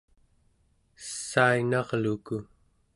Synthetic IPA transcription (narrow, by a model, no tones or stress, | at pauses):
sːainɑʁluku